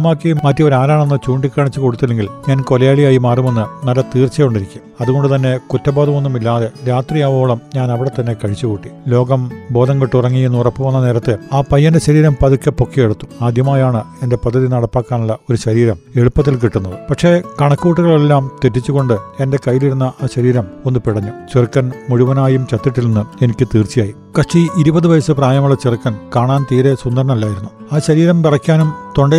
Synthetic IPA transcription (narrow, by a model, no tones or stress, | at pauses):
maːkːijummɐtːio̞ɾaːlaːɳenːɨt͡ɕuːɳɖikʲːaːɳit͡ɕːukoɽut̪ːɐle̞ŋɡilɲaːnkolɐjaːɭijaːjimaːrume̞nːɨnɐlːɐt̪iːrt͡ɕːɐjoɳɖiɾikʲːumɐðuɣo̞ɳɖɨt̪ɐnːe̞kutːɐbaːðɐmo̞nːumilːaːðe̞ɾaːt̪rijaʋo̞ːɭɐmɲaːnɐʋiɽe̞t̪ɐnːe̞kɐɻit͡ɕːukuːʈːi̥lo̞ːɡɐmbo̞ːd̪ɐŋɡiʈːurɐŋːijenːuurɐpːɨʋɐnːɐneːɾɐt̪ːɨaːpɐjːɐndeɕɐɾiːɾɐmpɐðukʲːɨpo̞kʰːijeɽut̪ːu̥aːd̪ʱjɐmaːjaːɳɨe̞nde̞pɐd̪ʱːɐðinɐɽɐpːaːkːaːnuɭːɐo̞ɾuɕɐɾiːɾɐme̞ɻupːɐt̪̬ːilk̬iʈːunːɐðɨpɐkʂe̞ːkɐɳɐkːuːʈːuɣɐɭe̞lːaːmt̪etːit͡ɕːuɣo̞ɳɖɨe̞nde̞kɐjːiliɾunːɐʔaːɕɐɾiːɾɐmo̞nːɨpiɽɐɲːut͡ɕirkːɐnmuɻuʋɐnaːjumt͡ɕɐt̪ːiʈːilnenːɨe̞nikʲːɨt̪iːrt͡ɕijaːji | kɐʂt͡ɕiiɾubɐðɨʋɐjɐsɨpraːjɐmuɭːɐt͡ɕirkːɐnkaːɳaːnt̪iːɾe̞sund̪ɐɾɐɳɐmɐlːaːjiɾunːu | aːɕɐɾiːɾɐmpirɐkʲːaːnumt̪o̞ɳɖe